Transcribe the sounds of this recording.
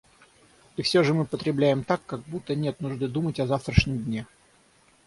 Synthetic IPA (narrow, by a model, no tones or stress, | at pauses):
ifsʲoʐɨmɨpət̪ɾʲɪblʲæjɪmt̪akːaɡ̚but̪ːənʲe̞t̪nʊʐd̪ɨd̪umətʲɐzaft̪ɾəʂnʲɪmdʲnʲe